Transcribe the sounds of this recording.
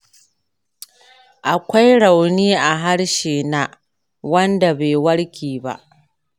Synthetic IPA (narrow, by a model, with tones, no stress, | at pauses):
ʔa˨kʷa˦jɽa˨wniː˦ʔa˨ɦa˦ɽʃeː˨naː˦ | wɐ˦nda˨beː˨wɐ˦ɽkʲiː˨ba̰˦ʔ